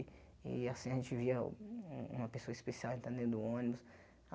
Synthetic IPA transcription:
ḭasĩɐʒẽnt͡ʃɪviɐũṵ̃mɐpesoɐispesiawẽnt̪ẽnd̪ẽnd̪ʊõnibʊs | a

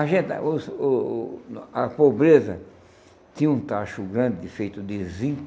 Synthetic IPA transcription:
ɐʒẽnt̪a̰ʊs | ɐpobɾezɐ | t̪ĩɲũt̪aʃʊɡɾɐ̃nd̪ɪfejt̪ʊd̪ɪzĩ

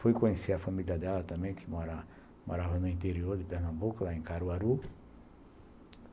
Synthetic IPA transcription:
fojkõɲeseɐfamiliɐd̪ɛlɐt̪ɐ̃mbẽj̃kʰɪmɔɾɐ | moɾavɐnʊĩnt̪eɾioɾd̪ɪpeɾnɐ̃mbukʊlaẽkaɾuaɾu

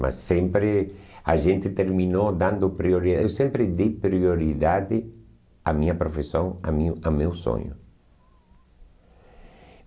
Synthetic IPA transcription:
mʔa̰sːẽmpɾɪa̰ʒẽnt̪ɪt̪eɾmĩnod̪ãnd̪ʊpɾioɾiewsẽmpɾɪd̪ejpɾioɾiðad̪ɪ | amĩɲɐpɾofesõŋa̰mĩamewso̰ɲʊ̰

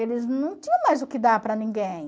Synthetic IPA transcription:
elɪznɐ̃w̃t͡ʃĩɲɐ̃w̃majzʊkɪd̪apɾɐnĩŋɡẽj̃

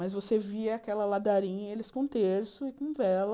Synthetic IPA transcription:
mɐjzvoseviɐakɛlɐlad̪aɾĩɲɐelɪskõt̪eɾsʊɪkõvɛlɐ

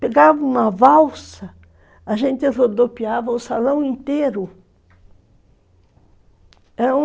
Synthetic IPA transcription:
peɡavɐũmɐvawsɐ | ɐʒẽnt̪ɪrod̪opiavɐʊsalɐ̃w̃ĩnt̪eɾʊ | ɛɾɐũ

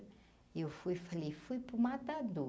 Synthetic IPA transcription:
ewfujfalefuipumat̪ad̪u

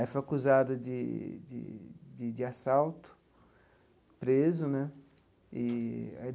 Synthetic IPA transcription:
aifojakuzad̪ʊd͡ʒɪd͡ʒɪ̰d͡ʒɪd͡ʒɪasawt̪ʊ̥ | pɾezʊnɛ | ɪa

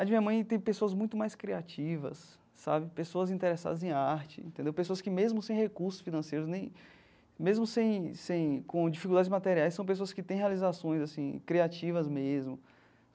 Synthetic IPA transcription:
ad͡ʒɪmĩɐmɐ̃j̃t̪ẽj̃pesoɐzmũj̃t̪ʊmajskɾiat͡ʃivɐ̰sː | a̰bɪpesoɐzĩt̪eɾɛsa̰d̪ɐzẽj̃aɾt͡ʃɪḛ̃nt̪ẽnd̪ewpesoɐskɪmezmʊsẽj̃hekuɾsʊ̥sfinɐ̃sejɾʊznẽj̃ | mezmʊsẽj̃sẽj̃kõd͡ʒifikud̪ad͡ʒɪzmat̪eɾiajsːɐ̃w̃p̬es̬oɐskɪt̪ẽj̃ɦealizasõj̃zasĩkɾiat͡ʃivɐzmezmʊ

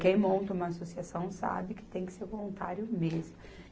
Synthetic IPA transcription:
kẽj̃mõnt̪ɐũmɐːsosiasɐ̃w̃sa̰bɪkɪ̥t̪ẽj̃kɪ̥seɾvolũnt̪aɾjʊmezmʊ

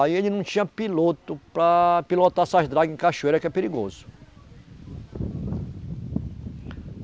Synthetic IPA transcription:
ielɪnɐ̃w̃t͡ʃĩɲɐpilot̪ʊpɾɐpilot̪asaʒd̪ɾaɡẽkaʃuejɾɐkɛpeɾiɡozʊ

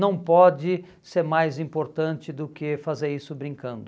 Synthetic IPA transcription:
nɐ̃w̃pɔd͡ʒɪ | seɾmajzĩmpoɾt̪ɐ̃nt͡ʃɪd̪ʊkɪfazeɾisʊbɾĩŋkɐ̃nd̪ʊ

